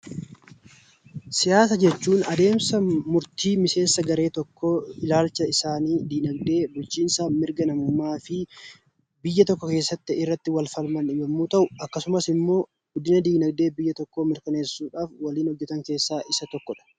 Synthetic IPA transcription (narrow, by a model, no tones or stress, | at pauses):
sɪjaːs̬ɐd͡ʒɛt͡ʃːuːnɐd̪e̞ːmsɐmʊɾt̪iːmɪse̞ːnsɐɡɐɾe̞ːt̪ɔkːoːɪlaːlt͡ʃɐɪsaːniːd̪iːnɐɡd̪e̞ːbʊlt͡ʃiːnsɐmɪɾɡɐnɐmʊmːaːfɪ | bɪjːɐt̪ɔkːɔkeːsːɐt̪ːɪɪrːɐt̪ːɪwɐlfɐlmɐnɪbɐmːuːt̪ɐʔʊɐkːɐsʊmɐsɪmːo̞ː | ɡ̥ʊd̪ːɪnɐd̪iːnɐɡd̪e̞ːbɪjːɐt̪ɔkːoːmɪɾkɐne̞ːsːuːᶑaːfwɐliːnhɔd͡ʒːɛt̪ɐŋke̞ːsːaːʔɪsɐt̪ɔkːɔᶑɐ̥